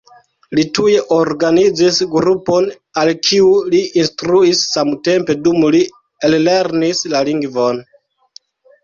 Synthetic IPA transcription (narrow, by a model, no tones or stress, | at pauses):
lituje̞ʔoɾɡanid͡zisɡɾupo̞n | alkʰiuliinstɾuisːamte̞mpe̞dumli | elːe̞ɾnislaliŋɡvo̞n